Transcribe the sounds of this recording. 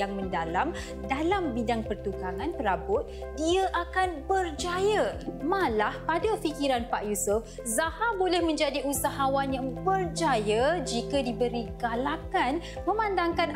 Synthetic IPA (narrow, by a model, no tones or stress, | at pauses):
aŋmə̃ndalam | dalambidaŋpərt̪ukaŋãnt̪əɾabʊt̪̚ | diaʔakanbərd͡ʒajamalahpadafikiɾanpaʔjusuf | zahabolɛhmə̃ɲd͡ʒadiʔusaɦawanjaŋbərd͡ʒajad͡ʒikadibəɾiɡalakan | mə̃mandaŋkan